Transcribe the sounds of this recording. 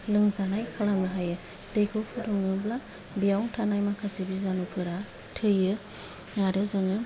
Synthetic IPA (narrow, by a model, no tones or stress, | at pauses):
lɯŋzanajkʰalamnɯɦajɯ | dejkʰokʰuduŋɯbla | bijawŋtʰanajmakʰasibizanukɯɾa | tʰɯjɯ | ŋaɾɯzɯŋɯ